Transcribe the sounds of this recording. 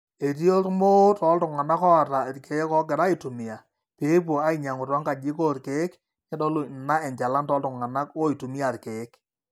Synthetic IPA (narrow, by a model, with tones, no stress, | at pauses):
e˨t̬i˦o˦tmo˦tɔ˨˦ltʊ˨ŋa˨na˦kɔ˦a˨ta˨tkʰe˨˦kɔ˦k̬ɪ˨ɾa˦i˨tu˨mɪ˨a˨ | pe˨˦p̬wo˨a˦i˨ɲa˨ŋʊ˨ta˦ŋka˨d͡ʒɪ˦ko˦tke˨˦k | nɛ˦dɔ˦lo˨na˦ɛ˨ɲt͡ʃa˨la˦ntɔː˨˦ltʊ˨ŋa˨na˦ko˦i˨tu˨mi˦a˨tke˨˦k